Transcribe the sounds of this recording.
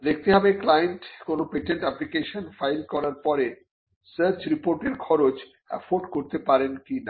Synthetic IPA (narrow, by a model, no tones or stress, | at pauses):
d̪ek̚ʰt̪eɦɔbeklajeɳʈkonopeʈeɳʈɛplikeʃonfajlkɔɾaɾpɔɾe | səɾt͡ɕɾipoɾʈeɾkʰɔɾot͡ɕ | ɛ̰foɖkoɾt̪epaɾenkina